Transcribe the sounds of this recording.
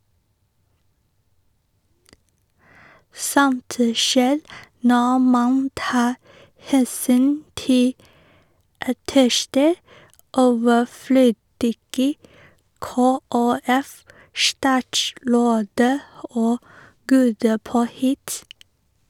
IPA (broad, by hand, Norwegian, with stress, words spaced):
ˈsɔnt ə ˈʃeːɾ ˈnɔ ˈmɑn ˈtɑː ˈhɛsyːn ˈtɪ ɑˈtɛʃtə ˈoːʋəˌfløːdɪɡə ˌkoːæˈɛfˌʃtɑːtˌʃɾoːdə ˈoː ˈɡuːdə ˈpoːhɪt